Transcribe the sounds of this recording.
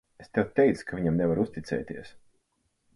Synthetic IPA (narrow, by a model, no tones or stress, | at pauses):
est̪ɛwt̪ʲɛjt̪skʰaviɲamnɛvaɾust̪it̪sɛ̰ːt̪iɛəs